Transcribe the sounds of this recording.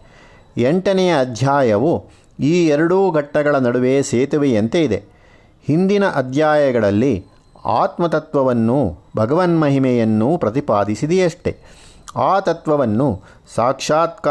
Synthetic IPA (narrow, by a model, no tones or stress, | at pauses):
eɳʈɐnɛjɐːd̪ʱjaːjɐʋu | iːɛɾɐɽuːɡʱɐʈːɐɡɐɭɐnɐɽuʋeːseːt̪uʋeent̪eid̪e̞̰ | hind̪inɐʔɐd̪ʱjaːjɐɡɐɭɐlːi | a̰ːt̪mɐt̪ɐt̪ʋɐʋɐnːubʱɐɡɐʋɐnmɐɦimɛjɐnːupɾɐt̪ipaːd̪isid̪ɛjɐʂʈe̞̰ | aːt̪ɐt̪ʋɐʋɐnːu | saːkʂaːt̪̚k